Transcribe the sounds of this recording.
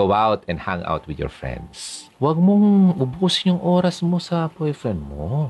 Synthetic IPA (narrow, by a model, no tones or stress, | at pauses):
owawt̪ɛ̃ndhaŋʔa̰wt̪wɪd̪jɔ̰ɹfɹɛ̰̃nd̪swɐɡ̚moŋʔʊbuːsɪɲʊŋʔoːɾɐsmo̞sɐpojfɹɛnd̪̚mo